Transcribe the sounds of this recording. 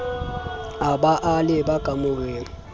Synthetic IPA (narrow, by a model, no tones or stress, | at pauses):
abaʔalɪbakʼamʊɣeːŋ̩